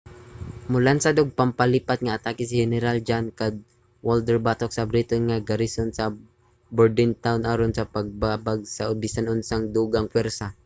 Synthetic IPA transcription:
mʊlansad̪oɡ̚pampaliːpat̪̚ŋaːt̪aːkɪsɪhɛnɛɾald͡ʒankad̪̚ | wold̪ɛɹbat̪ok̚sabɾit̪onŋaɡɐɾisonsɐ | bɛɹd̪ɪnt̪awnʔaɾonsɐpaɡ̚babaɡ̚saʊbɪsanʊnsaŋd̪uɡaŋkwɛɾsa

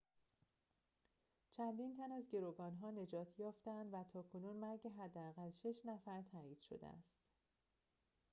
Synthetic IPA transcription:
t͡ʃʰænd̪iːnt̪ʰænæzɟe̞ɾoːɡɒːnɦɒːne̞d͡ʒɒːt̪ʰjɒːft̪eænd̪væt̪ʰɒːkʰonuːnmæɾɟeɦæd̪ːææɣælʃeʃnæfæɾt̪ʰæːiːd̪̥ʃo̰d̪ḛʔæ̰st̪

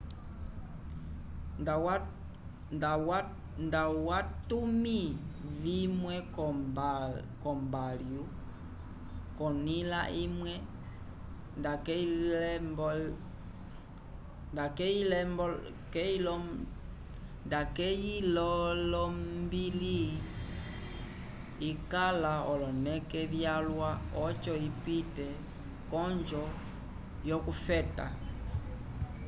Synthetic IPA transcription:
w | w | ndawatumivimwɛk | kɔmbalju | kɔnilaʔimwɛ | ndakɛ | b | ndakɛil | kɛilɔ | ndakɛjilɔlɔmbili | ikalaɔlɔnɛkɛβjalwaɔt͡ʃɔipitɛ | kɔnd͡ʒɔ | jɔkufɛta̰

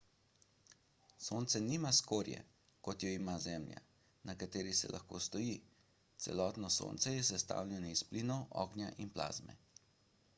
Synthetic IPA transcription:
soːnt̪sɛnimaskoːɾjɛ̰ | kɔt̪jɔimazɛːmlja̰ | nakat̪eːɾisɛ̰lʔa̰xko̰ːst̪ɔji | t̪sɛ̰lɔːt̪nɔso̰ːnt̪sɛjɛs̬ɛst̪a̰ːwlʲɛnɔispliːnɔʔɔ̰ːɡnjaʔinpla̰ːzmɛ̰

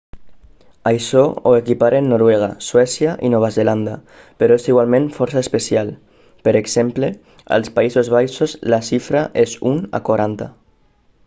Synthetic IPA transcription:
ajʃɔoekipaɾʔenːoɾweɣ̞aswɛsjaʔinoβ̞azeland̪a̰ | peɾoesiɣwalmẽɱfɔɾsaespesjal | peɾeksemple | a̰lspaizozβajʃozlasifɾaʔezuna̰kwaɾant̪a̰

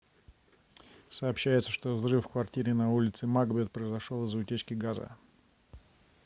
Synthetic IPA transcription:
sɐːpɕːæjɪt̪səʂt̪ovzrɨfkvɐrtʲiɾʲɪnɐulʲɪt̪sɨmaɡbʲet̪̚pɾəɪzɐʂolˠɨzʊtʲet͡ɕkʲɪɡazə̰

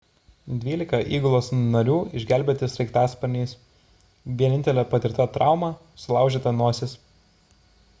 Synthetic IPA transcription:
d̪ʲʋʲiːlʲɪkɐʔiːɡʊlˠoːsnɐɾʲuːɪʒʲɡʲæːˑlʲbʲeːt̪ʲɪsɾʲɛɪkt̪ɑːspɐɾʲnʲiːs | ʋʲiɛnʲɪnt̪ʲɛlʲɛːpɐt̪ʲɪɾʲt̪ɑt̪ɾɑˑʊmɑː | sʊlˠɑˑʊʒʲeːt̪ɐnuɔsʲɪs

